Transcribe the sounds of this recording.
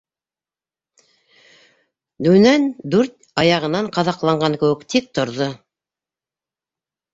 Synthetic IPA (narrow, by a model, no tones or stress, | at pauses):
d̪ʉnænd̪ʉɾt̪̚ɑjɑʁɤ̆nɑɴqɑðɑqlˠɑɴɢɑŋkɘ̆wɘ̆kt̪ik̚t̪ŏɾðo